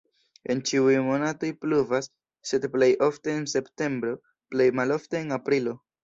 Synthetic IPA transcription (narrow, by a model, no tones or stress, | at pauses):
e̞nt͡ʃiujmo̞nato̞jpluvasː | e̞dple̞jʔo̞fte̞ːnse̞pte̞mbɾo̞ | ple̞jmalo̞fte̞ːnapɾilo̞